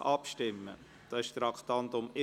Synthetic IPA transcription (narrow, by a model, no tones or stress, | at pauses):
ʔɑpʃtɪmːə̰ | d̥ɑːɪʃt̪ɾɑkt̪ɑnt̪ʊmɪ